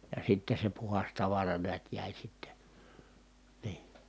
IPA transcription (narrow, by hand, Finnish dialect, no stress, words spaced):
jɑ sitːe se puhɑs tɑʋɑrɑ neæt jæˑi sitːe niː